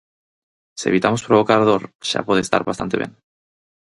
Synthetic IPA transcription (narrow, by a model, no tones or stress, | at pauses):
siḛβit̪amo̞spɾo̞β̞o̞kaɾðoɾʃa̰pwe̞ðest̪a̰ɾβast̪ant̪e̞jen